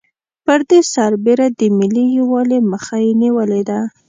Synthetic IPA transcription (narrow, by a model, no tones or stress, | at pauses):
pəɾd̪esaɾbeɾad̪əmɪlijwɑleməxajeniwəled̪a